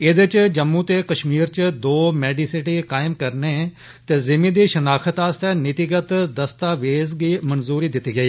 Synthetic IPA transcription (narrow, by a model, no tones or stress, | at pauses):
ɪd̪ɪt͡ʃd͡ʒəmːũːt̪eːkəʃmiːɾt͡ʃd̪oːmɛːɖiːsɪʈiːkaːɪmkəɾneː | t̪eːzɪmĩːd̪iːʃənaːkʰət̪aːst̪ɛːnɪt̪iɡət̪d̪əst̪aːʋeːzɡiːmənzuːɾiːd̪ɪt̪ːiːɡəiː